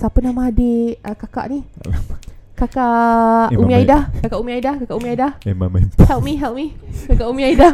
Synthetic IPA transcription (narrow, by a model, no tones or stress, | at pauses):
sapənamadeəkaka̰ʔni | kakaʔumĩaidakakaʔumĩaidakakaʔumĩaidahmamhɛlʔmĩɦɛlʔmikakaʔumĩaida